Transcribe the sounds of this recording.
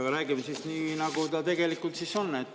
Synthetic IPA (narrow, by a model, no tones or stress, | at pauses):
ɑɾæːɡimesisninɑɡ̥ut̪ɑt̪e̞ɡe̞likːˑult̪siso̞nːet̪ː